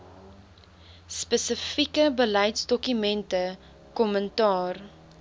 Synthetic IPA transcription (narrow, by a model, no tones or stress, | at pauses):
spəsəfikəbəlɐjtsdɔkymɛntə | kɔməntɑːr